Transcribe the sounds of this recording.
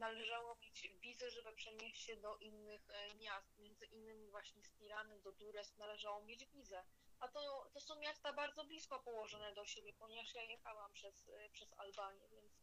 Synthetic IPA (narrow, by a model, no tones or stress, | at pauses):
nalɛʐawɔmʲet͡ɕvʲizɛʐɛbɘpʂɛɲeɕt͡ɕɕɛd̪ɔʔinːɘxmʲjast̪̚mʲjɛnd̪zɘʔinːɘmʲivwaɕɲɛst̪ʲiɾanɘd̪ɔd̪uɾɛst̪nalɛʐawɔmʲjed͡ʑvʲizɛat̪ɔt̪ɔsɔ̃w̃mʲjast̪abaɾd̪zɔblʲiskɔpɔwɔʐɔnɛd̪ɔɕebʲjɛpɔɲɛvaʂjajɛxawampʂɛspʂɛza̰lbaɲjɛvʲjɛnt̪s